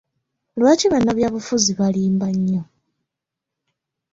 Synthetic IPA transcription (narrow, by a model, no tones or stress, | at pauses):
lwaːciβanːaβjaːβufuziβaliːmbaɲːo